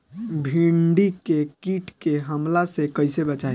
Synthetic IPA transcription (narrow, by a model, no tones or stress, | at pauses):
bʱiɳɖikekiʈkeɦəmlasekəjsebət͡ʃa